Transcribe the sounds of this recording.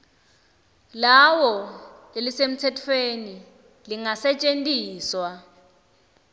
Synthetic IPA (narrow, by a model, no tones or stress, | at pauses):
lawɔelisem̩tʰɛtʰweni | liŋasɛt͡ʃʼentʼiːswa